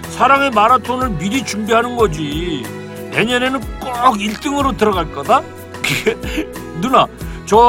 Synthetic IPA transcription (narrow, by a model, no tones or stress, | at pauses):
sʰaɾaŋe̞maɾatʰonɯɭmiɾit͡ɕumbiɦanɯnɡʌd͡ʑi | ne̞ɲʌne̞nɯnk͈oɡiɭt͈ɯŋɯɾotɯɾʌɡaɭk͈ʌda | kenunat͡ɕʌ